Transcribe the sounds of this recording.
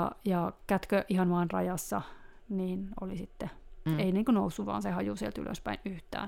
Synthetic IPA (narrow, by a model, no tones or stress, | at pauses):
jɑkæt̪køʔihɑnʋɑːnrɑ̰jɑsːɑ | niːno̰lisit̪ːeeiniːŋkunousːuʋʋɑ̰ːnsehɑjusielt̪y̰lʔø̰spæinyht̪æ̰ː